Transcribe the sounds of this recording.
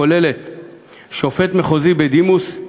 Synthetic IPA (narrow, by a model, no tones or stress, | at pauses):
olelet̪ | ʃo̞fe̞t̪meχozibed̪imus